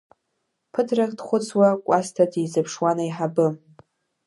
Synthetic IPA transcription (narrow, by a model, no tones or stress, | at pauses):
pʰɨtʰraχʲdχʷʊt͡sʰwakʷʼastʰadʰizapʰʂwanaiħabɨ